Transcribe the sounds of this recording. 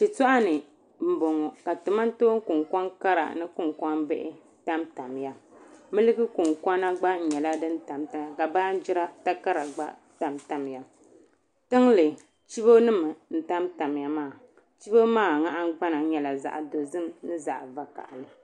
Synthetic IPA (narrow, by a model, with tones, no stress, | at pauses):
t͡ʃi˨tʊ˦ʔa˦nɨ˨ | m̩˨bɔ˨ŋɔ˨ka˨tu˨ma˦n˦to˦ŋ˦kʊ˨ŋkʷɔ˦ŋka˦ɾa̰˨nɨ˦kʊ˦ŋkʷɔ˦nbɛ˦ʔɪ˦ | ta˦mta˨m˨ja˨mɨ˦lɨ˦ɡɨ˦ku˨ŋka˦na˦ɡ͡ba˦n̩˨ɲɛ˨la˦dɨ˦n˦ta˨mta˨ka˨baː˦n˦d͡ʒi˦ɾa˦ta˦ka˦ɾa˨ɡ͡ba̰˦ | ta˨mta˨m˨ja˨ | tɨ˦ŋlɨ˨ | t͡ʃi˦bo˦nɨ˦mɨ˨n̩˨ta˦mta˨m˨ja˨maː˦˨ | t͡ʃi˦bo˦maː˦˨ŋa˦ʔa˦ŋ˦ɡ͡ba˦na˨˦ɲɛ˨la˨za̰˨ʔdo˨zɨ˦mnɨ˦za˨ʔva˨ka̰˨ʔlɨ˨